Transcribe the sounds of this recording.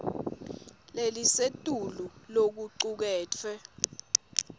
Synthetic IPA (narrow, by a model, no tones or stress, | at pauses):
lelisetʼululok̬uǀuk̬ɛːt͡fʰɛ